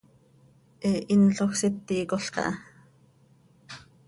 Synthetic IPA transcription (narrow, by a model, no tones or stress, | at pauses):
ʔeʔinɬoxset̪ːiːkoɬkɑ̰ʔɑ